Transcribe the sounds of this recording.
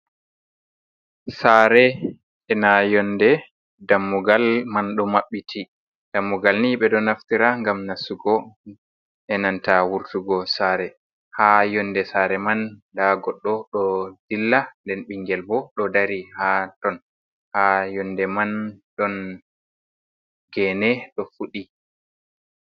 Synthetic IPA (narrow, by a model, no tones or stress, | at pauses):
saɾɛ | ɛnajɔndɛ | damːuɡalmanɗɔmaɓːitʰi | d̥amːuɡalniɓɛɗɔnaftiɾaŋɡamnasuɡɔ | ʔɛnantawuɾtuɡɔsaɾɛ | hajɔndɛsaɾɛmandaɡɔɗːɔɗɔd̥ilːandɛnɓiŋɡɛlbɔɗɔdaɾihatɔn | hajɔndɛmanɗɔn | ɡɛnɛɗɔfuɗi